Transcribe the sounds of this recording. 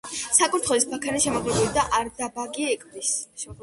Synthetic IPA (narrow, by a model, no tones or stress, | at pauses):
sakʼuɾt̪ʰχɔlisbakʰaniʃɛmɔʁlɛbulid̪aʔaɾd̪abaɡiɛkʼbis